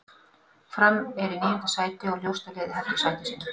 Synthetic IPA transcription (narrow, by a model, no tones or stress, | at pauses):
fɾamɛɾiniːjʏnt̪ḁsaːjt̪ɪɔljowst̪alɪːðɪɦɛft̪ɪ̥saːjt̪ɪsin